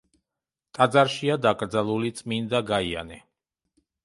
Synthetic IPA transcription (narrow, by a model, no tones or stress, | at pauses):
t̪ʼad̪zaɾʃiad̪akʼɾd̪zalˠulit̪sʼmind̪aɡaia̰nɛ